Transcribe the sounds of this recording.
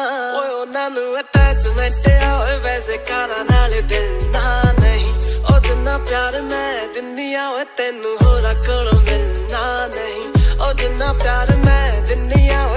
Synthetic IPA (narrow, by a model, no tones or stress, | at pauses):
oːʊnãːnũːəʈɛːd͡ʒmɛːʈeːaːɦoːʋɛːseːkaːɾaːnaːleːd̪ɪd̪aːnəɦĩːoːd̪ɪnːãːpjaːɾmɛ̃ːd̪ɪniːaːoːet̪ɛːnũːɦoːɾaːkəɽõːd̪ed̪aːnəɦĩːoːd͡ʒ̪ɪnːãːpjaːɾmɛ̃ːd̪ɪniːaːoː